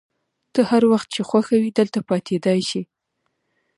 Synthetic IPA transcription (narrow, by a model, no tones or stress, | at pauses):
t̪əhaɾwaxt̪̚t͡ʃexwaxawid̪əlt̪apɑt̪ʰed̪ɑjʃi